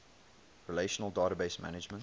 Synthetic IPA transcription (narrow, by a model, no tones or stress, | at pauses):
ɹileʃənəlˠdaːɾəbeɪsmæ̰nɪd͡ʒmə̃n